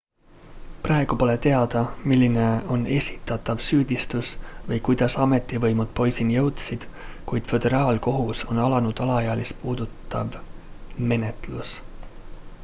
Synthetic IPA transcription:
prɑeɡ̥upo̞le̞t̪e̞ɑd̪̥ɑmilːine̞o̞ne̞sʲit̪ːˑɑt̪ːˑɑvsyːd̪̥ʲist̪usvɤjkujd̪̥ɑsɑme̞t̪ˑːivɤjmud̪̥po̞jsinjɤwt̪sid̪̥kujd̪̥fø̞d̪̥e̞ɾɑːlko̞ɦuso̞nɑlɑnud̪̥ɑlɑjɑɑlispuːd̪̥ut̪ːˑɑ̰v | me̞ne̞t̪ˑlus

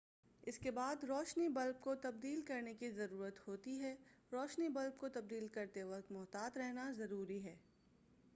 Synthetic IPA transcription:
ɪskebaːd̪ɾɔːʃnibɐlb̚kot̪ɐb̚d̪iːlkɐɾnekizɐɾuːɾət̪hoːt̪iɦɛː | ɾɔːʃnibɐlb̚kot̪ɐb̚d̪iːlkɐɾt̪eʋɐk̚t̪mɔːt̪aːt̪ɾɛɦnazɐɾuːɾiɦɛː

